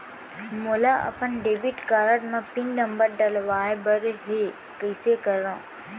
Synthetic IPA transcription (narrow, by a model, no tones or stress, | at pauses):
moːlaʔɐ̰pənɖeːbiʈkaːɾəʈmãpinnə̃mbəɾɖɐlʋaːebəɾɦe | kəɪsekəɾã